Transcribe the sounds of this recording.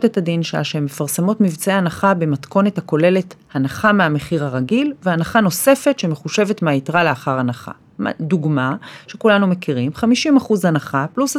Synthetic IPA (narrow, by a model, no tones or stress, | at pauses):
tethadinʃea̰ʃeemːefaʁsemo̞tmivt͡seanaχabe̞matko̞ne̞thako̞le̞le̞thanaχameameχiʁhaʁaɡilveanaχano̞se̞fe̞tʃe̞meχuʃe̞ve̞tmeaitʁaleaχaʁanaχa̰ | mduɡmaʃekulanume̞kiʁimχamiʃimaχuzhanaχaplus